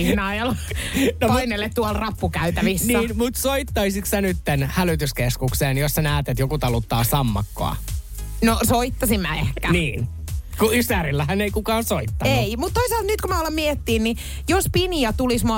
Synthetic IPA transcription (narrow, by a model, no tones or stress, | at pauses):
ihnɑːjɑlnopinelːett̪uɑlrɑpːukæyt̪æʋisniːæːnmut̪soit̪ːɑisiksænyt̪ːenhælyt̪yskeskukseːnjosːænæːt̪et̪jokut̪ɑlut̪ːɑːsɑmːɑkːo̰ɑ̰ | nosoit̪ːɑsimmæehkæniːn | kuysæɾilːæhæneikukɑːnsoit̪ːɑneimut̪t̪oisɑlt̪nyt̪kumæɑlːɑmiet̪ːiːnni | jospiniɑt̪ulismuɑ